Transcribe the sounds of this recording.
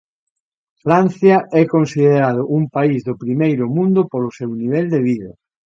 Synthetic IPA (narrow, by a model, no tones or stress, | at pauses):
fɾan̟θjɐʔɛkonsiðeɾaðʊʔuŋpaizðʊpɾimejɾʊmũnd̪ʊpolʊsewniβ̞ɛld̪eβ̞iðɐ